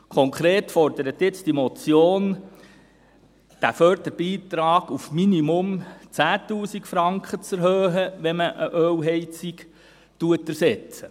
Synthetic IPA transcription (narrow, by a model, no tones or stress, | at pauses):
kʰɔŋkχɾeːtfɔrd̥̪əɾət̪jɪt͡sd̥imɔt͡sjoːn | d̥æfœrd̪̥əɾb̥iːt̪ɾɑːɡ̥ufminimʊmt͡sæːtuːsikfɾɑŋkχət͡sɛɾɦøːɦəʋɛməʔəʔøːwɦɛɪt͡sik | tuətəɾsɛt͡sə